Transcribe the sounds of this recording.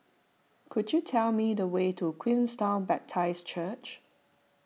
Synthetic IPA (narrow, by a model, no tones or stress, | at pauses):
kʰudjutʰɛlmidəwetʰukʰwĩnstãʊ̃nbɛp̚tʰaɪst͡ʃʰət͡ʃ